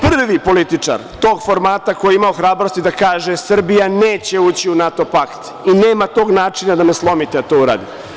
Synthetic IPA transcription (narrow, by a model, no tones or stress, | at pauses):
pr̩ʋipo̞lit̪it͡ʂa̰ɾt̪o̞ːɡfo̞ɾmaːt̪akojeimaoxɾaːbɾo̞st̪id̪akaːʒesr̩bijaneːt͡ɕe̞uːt͡ɕiunat̪o̞pakt̪ | ineːmat̪o̞ːɡnaːt͡ʂinad̪ameslˠo̞mit̪ed̪at̪oːuɾa̰ːd̪ie